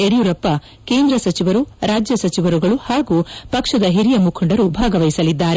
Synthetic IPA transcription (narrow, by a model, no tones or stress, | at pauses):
eɽijuɾɐpːɐ | ke̞ːnd̪ɾɐsɐt͡ʃiʋɐɾuɾaːd͡ʒjɐsɐt͡ʃiʋɐɾuɡɐɭuhaːɡuːpɐkʂɐd̪ɐɦiɾijɐmukʰɐɳɖɐɾubʱaːɡɐʋɐjsɐlid̪ːaːɾe